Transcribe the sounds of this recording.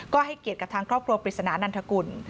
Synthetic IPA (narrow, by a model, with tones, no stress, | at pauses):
kɔː˥˩ɦa˥˩jki˨ət̪̚ka˨˩t̪ʰaː˧kɾɔː˥˩p̚kʰɾu˧əpi˨˩t̪̚sa˧naː˩˦na˧nt̪ʰa˧ku˧n